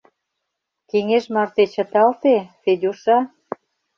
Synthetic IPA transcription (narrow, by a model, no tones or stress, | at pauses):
keŋeʃmɑrt̪et͡ɕə̆t̪ɑlt̪eped̪ʲoʃɑ